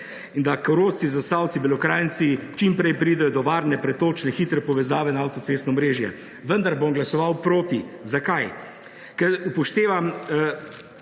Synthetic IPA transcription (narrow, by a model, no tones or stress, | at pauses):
ind̪akɐɾoːst̪sizasawt̪sibɛlɔkɾaːjnt̪sit͡ʃimpɾɛjpɾiːd̪ɛjɔd̪ɔʋaːɾnɛpɾɛt̪oːt͡ʃnɛxit̪ɾɛpɔʋɛzaːʋɛnaawt̪ɔt̪seːst̪nɔɔmɾeːʒjɛ̰ | ʋənd̪aɾbomɡlasɔʋawpɾoːt̪izakaj | kɛɾupɔʃt̪eːʋam